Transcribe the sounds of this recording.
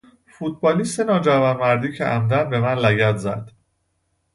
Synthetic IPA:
fut̪̚ʰbɒːliːst̪enɒːd͡ʒævɒnmæɾd̪iːcʰeʔæmd̪ænbe̞mænlæɟæt̪zæd̪̥

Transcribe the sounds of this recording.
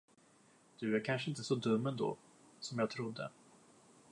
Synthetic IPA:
d̪̥ɵæɾkʰanʂəɪnt̪əsɔd̪ɵmːɛnd̪o̰ː | sɔmjɑːɡt̪ʰɾʊd̪ːə̰

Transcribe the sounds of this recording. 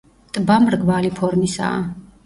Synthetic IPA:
t̪ʼbamɾɡvalipʰɔɾmisa̰ː

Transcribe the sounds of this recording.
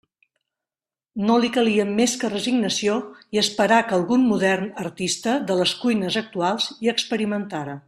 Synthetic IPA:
nolikəliəmːeskərəziɡnəsioiəspəɾakəlˠɣunmuðɛrnəɾt̪ist̪əðələskujnəzək̚t̪ualˠziəkspəɾimənt̪aɾə

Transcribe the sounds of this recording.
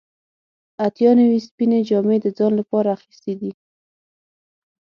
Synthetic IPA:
at̪jɑnawispined͡ʒɑmed̪əd͡zɑnlapɑɾaːxist̪ed̪i

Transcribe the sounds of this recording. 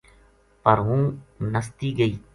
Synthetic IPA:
pəɾɦũːnəst̪iːɡəiː

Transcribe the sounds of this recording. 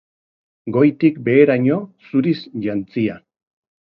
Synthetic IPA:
ɡo̞jt̪ikbe̞ːɾaɲo̞suɾisʝant͡sia

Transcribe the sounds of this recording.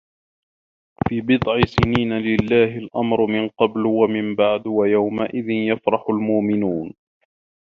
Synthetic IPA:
fiːbɨd̪ˤʕɪsɪniːnalɪlːaːɦɪlʔamɾmɪnqɑblwamɪmbaʕd̪wajawmaʔɪðɪnjafɾˤɑħʊlmʊʔmɪnuːn

